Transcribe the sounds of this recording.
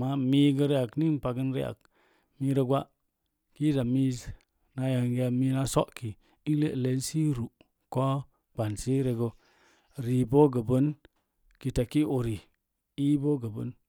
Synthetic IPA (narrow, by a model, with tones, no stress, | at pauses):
ma˦mi˦ɡə˧ɾe˦a˨kni˦n˨pa˨ɡə˦nɾḛ˦a̰˨k̚ | mi˧ɾə˧ɡʷa˦ | ki˦da˨mi˦z | na˧ja˨ŋɡa˨mi˧na˦so˦ʔki˨ | i˦ŋ˦lḛ˦ʔle˨˦nsi˦ɾu˨ | ko˦ | ɡa˨nsi˦ɾe˧ɡo˦ | ɾi˨bo˦ɡə˨bə˦n | ki˨ta˨ki˦ʔo˨ɾi˨ | i˦bo˦ɡə˨bə̰˦n